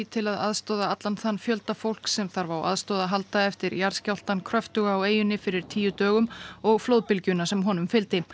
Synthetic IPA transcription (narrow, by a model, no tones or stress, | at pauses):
it̪ʰɪlaðaðst̪ɔːðaat̪lanθanːfjœlt̪afowl̥ksɛmθaɾvawʔa̰ðst̪ɔːðaɦalt̪aɛft̪ɪɾjaɾ̥scawl̥t̪ankʰɾœft̪ʏɣaːweːjʏnːɪfɪɾɪɾ̥t̪ʰiːjʏt̪œːɣʏmɔɣflowðpɪlcʏnasɛmɦɔnʏmfɪlt̪ɪ